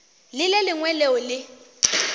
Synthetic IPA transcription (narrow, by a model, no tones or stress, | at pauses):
lɪlelɪŋwɛleʊlɪ